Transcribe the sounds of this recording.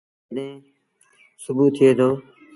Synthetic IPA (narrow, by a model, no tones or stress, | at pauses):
ɗẽː | sʊbuːt̪ʰːɪeːd̪oː